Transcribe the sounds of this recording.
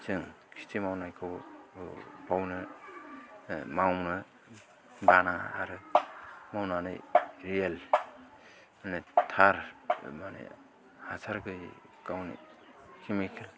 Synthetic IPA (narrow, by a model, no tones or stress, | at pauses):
sɯŋkʰi̥stʰimawnajkʰɯw | bawnɯ | mawnɯ | banaa̰ɾɯ | mawnanɯ̰jɾiel | manetʰaɾmanḛ | hasʰaɾɡɯj | kawnḭ | kʰimikʰil